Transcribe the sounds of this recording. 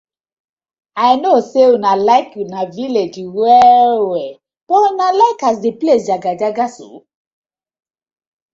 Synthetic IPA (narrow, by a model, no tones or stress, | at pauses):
aɪnosewunalaɪkjunaviled͡ʒwɛwe | b̥ɔnalaɪkasdeplesjaɡad͡ʒaɡasṵ